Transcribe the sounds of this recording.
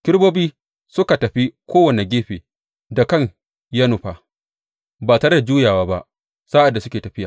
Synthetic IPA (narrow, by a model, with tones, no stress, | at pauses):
kʲɪ˦ɽboː˦biː˦ | sʊ˦ka˨tɐ˨ɸi˦kʷoː˦wɐ˨ne˨ɡʲeː˦ɸeː˨ | da˨kɐ˦˨ɲ | jɐ˦nʊ˨ɸa˨ | baː˨tɐ˨ɾɐ˦da˨d͡ʒuː˦jaː˨waː˦ba˦ʔ | saː˦ʔa˨dːa˨sʊ˦kʲeː˨tɐ˨ɸɪ˦jaː˨